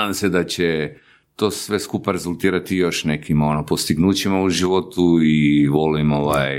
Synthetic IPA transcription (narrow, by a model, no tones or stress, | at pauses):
ad̪amse̞d̪at͡ɕe | t̪o̞ːsʋe̞skupaɾe̞zulˠt̪iːɾat̪ijo̞ʃne̞kimo̞nopost̪iɡnuːt͡ɕimauʒiʋo̞t̪uiʋo̞limoʋa̰j